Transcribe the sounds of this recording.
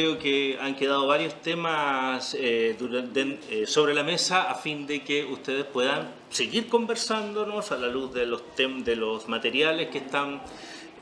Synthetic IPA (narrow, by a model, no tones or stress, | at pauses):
eokeaŋkeðaðoβaɾjo̞st̪emaseðuɾd̪enesoβɾe̞lame̞saafind̪ekeust̪eðespwe̞ðan | seɣiɾko̞mbe̞ɾsand̪o̞nosalaluzðelost̪ed̪elosmat̪e̞ɾjaleskehst̪an